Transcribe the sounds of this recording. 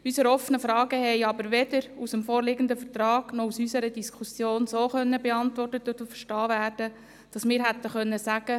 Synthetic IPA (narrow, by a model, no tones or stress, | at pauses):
ysəɾɔfənəfɾɑːɡəhɛɪɑbəɾʋɛdəɾusəmfoːɾlɪːɡənd̪əfəɾt̪ɾɑːɡ̥nɔusysəɾədiskʰusjoːnsoːχœnːəbɛɑntʋɔrtət̪ʊtʊfəʃtɑːvæːrd̥ə | d̥ɑsmɪːɾɦæt̪ːəχœnːəsæɡ̥ə